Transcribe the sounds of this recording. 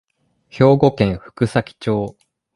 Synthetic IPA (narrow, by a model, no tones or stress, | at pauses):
ço̞ːɡo̞kẽ̞ɰ̃ɸɯ̥kɯ̟sakʲi̥t͡ɕo̞ː